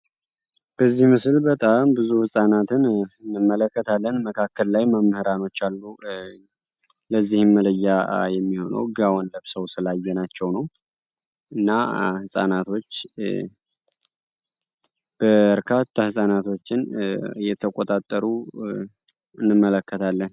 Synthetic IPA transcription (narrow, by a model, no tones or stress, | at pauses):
b̥əzːihmɨslbət̪ʼambɨzuhɨsʼanat̪ʰɨnɨnːɨmːələkːət̪ʰalːənməkʰakːəlːajməmːhɨɾano̞t͡ʃːalːu | ləzːihɨnmələjːajɛmːiho̞nə̰wɡawɔnləβsəwsɨlajːɛnat͡ʃːɛwnəw | ʔɨnːahɨsʼa̰nat̪ʰo̞t͡ʃː | b̥əbəɾkʰat̪ʰːahɨsʼanat̪ʰo̞t͡ʃːɪnjɛt̪ʰəkʼot̪ʼat̪ʼːəɾu | ɨnːɨmːələkːət̪ʰalːən